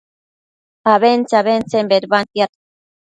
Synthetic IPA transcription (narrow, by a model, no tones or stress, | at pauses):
aβent͡saβent͡sembeɾβant̪iat̪